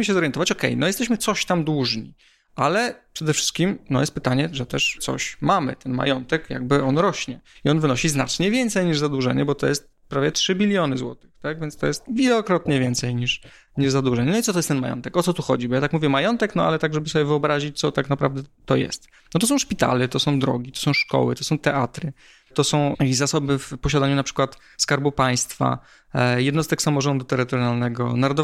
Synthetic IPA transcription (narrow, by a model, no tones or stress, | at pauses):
mɘɕɛzɔɾjɛnt̪ɔvat͡ɕɔkɛ̰jnɔjɛst̪ɛɕmɘt̪sɔɕt̪amd̪wuʐɲḭ | ʔalɛpʂɛd̪ɛfʂɘ̥st̪kʲimnɔ̰jɛst̪pɘt̪aɲɛʐɛt̪ɛʂsɔ̰ɕmamɘ̰t̪ɛnma̰jɔnt̪ɛkja̰ɡ̚bɘɔnɾɔɕɲɛiɔnvɘnɔɕiznat͡ʂɲɛvʲjɛnt̪sɛjɲiʐzad̪wuʐɛ̰ɲɛbɔt̪ɔjɛst̪̚ | pɾavʲjɛtʂɘbʲilʲjɔnɘzwɔ̰t̪ɨ̥xt̪aɡvʲjɛntst̪ɔjɛst̪̚vʲilɔkɾɔt̪ɲɛvʲjɛnt̪sɛjɲiʂ | ɲiʐzad̪wuʐɛɲɛnɔitsɔt̪ɔjɛst̪ɛnmajɔ̰nt̪ɛkɔt̪sɔt̪uxɔ̰d͡ʑibɔjat̪akmuvʲjɛmajɔnt̪ɛknɔa̰lɛt̪aɡʐɛbɘsɔbʲɛvɨɔbɾaʑit͡ɕt̪sɔt̪aknapɾa̰vd̪ɛt̪ɔjɛ̰st̪ | nɔt̪ɔs̬ɔ̃w̃ʂpʲit̪a̰lɛt̪ɔsɔ̃w̃d̪ɾɔ̰ɡʲit̪ɔ̥sɔ̃w̃ʂkɔ̰wɘ̰t̪ɔsɔ̃w̃t̪ɛʔat̪ɾɘ | t̪ɔsɔ̃w̃zasɔbɘfpɔɕad̪aɲunapʂɘ̥kwat̪ | skaɾbupaj̃st̪fa̰ | jɛd̪nɔst̪ɛksamɔʐɔnd̪ut̪ɛɾɘt̪ɔɾjalnɛɡɔ̰naɾɔd̪ɔ